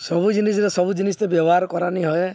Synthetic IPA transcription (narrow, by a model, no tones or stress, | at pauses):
sɔbud͡ʒinis̬ɔɾesɔbud͡ʒinist̪ebjɔbɔɦaɾkɔɾaniɦɔe